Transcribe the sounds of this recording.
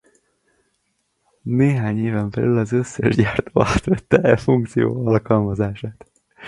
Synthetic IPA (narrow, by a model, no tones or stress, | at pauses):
neːɦaːɲeːvɛmbɛ̰lʔylɒzøsːɛʒɟaːrt̪oːaːt̪ʋɛt̪ːɛɛfuŋk̚t̪sijo̰ːɒlkɒlmɒzaːʃaːt̪